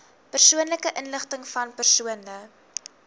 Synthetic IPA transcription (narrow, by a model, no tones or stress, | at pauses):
pərsuənləkəʔənləχtəŋfɐnpərsuənlə